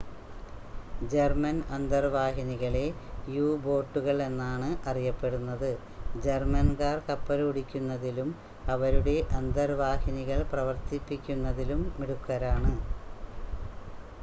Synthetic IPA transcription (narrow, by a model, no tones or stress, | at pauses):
d͡ʑermɐnɐnd̪ɐrʋaːɦiniɣɐɭe̞juːbo̞ːʈːuɣɐɭe̞nːaːɳɨʔɐrijɐpːe̞ɽunːɐðɨ | d͡ʑe̞rmɐnkaːrkɐpːɐluɽikʲːunːɐðilum | ɐʋɐɾuɽe̞ʔɐnd̪ɐrʋaːhiniɣɐɭprɐʋɐrt̪ipːikʲːunːɐðilumːiɽukːɐɾaːɳɨ